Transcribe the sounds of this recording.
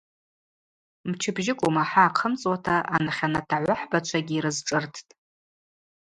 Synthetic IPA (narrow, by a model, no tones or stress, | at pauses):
mt͡ʃʰɪbʒɪkʷʼumaħaːqʰəmt͡sʼwatʰaʔanaχʲanatʰaʕʷaħbat͡ʃʷʰaɡʲiːɾɨzʈ͡ʂʼɨrtʰtʼ